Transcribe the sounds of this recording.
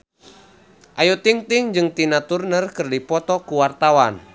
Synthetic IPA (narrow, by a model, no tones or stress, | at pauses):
ʔajut̪iŋt̪ɪŋd͡ʒɨŋt̪inat̪urnərkɨrdipɔt̪ɔkuwart̪awan